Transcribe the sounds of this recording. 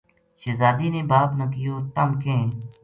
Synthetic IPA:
ʃezaːd̪iːneːbaːpnə̃ːkɪjoːt̪əmkẽː

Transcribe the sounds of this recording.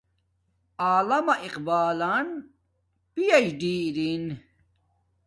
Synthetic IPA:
aːlɐmɐʔiqbaːlan | pijɐd͡ʑɖiːɾin

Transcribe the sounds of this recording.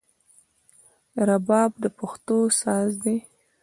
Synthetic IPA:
ɾabɑbd̪əpaxt̪osɑzd̪e

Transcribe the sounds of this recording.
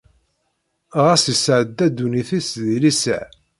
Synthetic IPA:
ʁæsisʕəd̪ːæd̪ːuniθisðilisə̰ʕ

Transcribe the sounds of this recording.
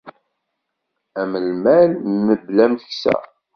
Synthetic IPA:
æməlmælməblæmθəçsæ̰

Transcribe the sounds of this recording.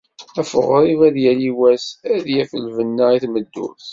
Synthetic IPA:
æfəʁɾˤivæðjæliwæsæðjæfəlvənːəiθməd̪ːṵθ

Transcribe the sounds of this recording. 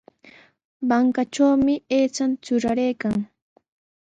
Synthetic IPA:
baŋkat͡ʃawmɪeːt͡ʃant͡ʃʊɾaɾejkaŋ

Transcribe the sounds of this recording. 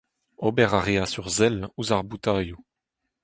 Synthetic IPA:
obɛʁaʁeasyʁzɛluzaʁbut̪aːju

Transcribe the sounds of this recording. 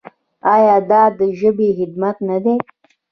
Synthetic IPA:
ɑjɑːd̪ɑd̪əʒəbexɪd̪mat̪nad̪e

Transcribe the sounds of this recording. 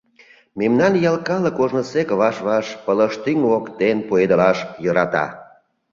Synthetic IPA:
memnɑnjɑlkɑləkoʒnə̆sekəβɑʃβɑʃpələʃt̪yŋokt̪enpued̪əlɑʃjɤɾɑt̪ɑ̰

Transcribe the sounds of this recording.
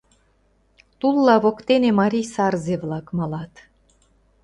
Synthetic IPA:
t̪ulˠːɑβokt̪enemɑɾʲijsɑrzeβlɑkmɑlɑt̪

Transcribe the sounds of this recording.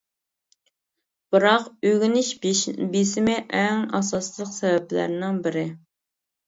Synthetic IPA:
b̥ɨɾɑqøɡʲinɪʃbesɪmɪʔɛŋɑsɑslˠəqsɛvɛplæ̰ɾnɪŋbɪɾɪ

